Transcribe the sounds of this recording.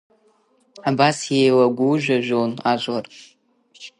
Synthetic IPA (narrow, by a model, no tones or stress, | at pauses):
abasjejwaɡʷuʒʷᶣaʒʷᶣonad͡ʒʷʼar